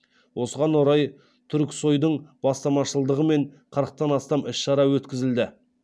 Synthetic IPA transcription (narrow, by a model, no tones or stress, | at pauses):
wʔo̞səʁɑnwoɾɑj | t̪ʰʏɾkʲso̞jd̪əɴb̥ɑst̪ɑmɑʃəlˠd̪əʁəme̞ɴqʰəɾəq̚t̪ɑnɑst̪ɑmɪʃʃɑɾɑwɵt̪kʲɪzɪld̪ɪ